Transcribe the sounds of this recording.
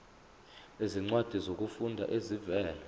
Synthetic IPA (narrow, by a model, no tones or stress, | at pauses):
eziŋ͡ǀwad̥ʱizok̬ʼufundʱa̰ʔezivɛːlɛ